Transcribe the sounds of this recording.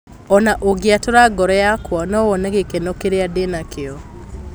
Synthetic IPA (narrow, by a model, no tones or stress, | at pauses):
ɔnaʔoɡeatoɾaɡɔɾɛjakwɔnɔwɔnɛɣekenokeɾeadenakeɔ